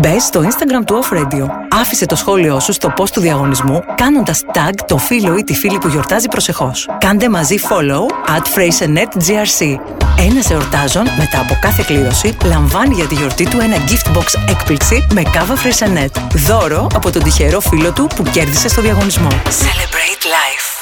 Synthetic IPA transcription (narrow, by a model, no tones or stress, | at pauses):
be̞zst̪o̞inst̪ɐɡɾɐmt̪uofɾed̪ioɐfise̞t̪o̞sxo̞lio̞sust̪o̞po̞st̪uðiɐɣo̞nizmukɐno̞nd̪ɐst̪ɐɡt̪o̞filo̞it̪ifilipuʝo̞ɾt̪ɐzipɾo̞se̞xo̞skɐnd̪e̞mɐzifo̞lowɐt̪fɾejsenet̪ziɐɾsi | e̞nɐse̞oɾt̪ɐzo̞nme̞t̪ɐːpo̞kɐθe̞kliɾo̞silɐɱvɐniʝɐt̪iʝo̞ɾt̪it̪ue̞nɐɟift̪bo̞kse̞kpliksime̞kɐvɐfɾesenːe̞t̪ðo̞ɾo̞ʔɐpo̞t̪o̞d̪içe̞ɾo̞filo̞t̪upuce̞ɾðise̞st̪oðiɐɣo̞nizmo̞selebɾet̪lɐjf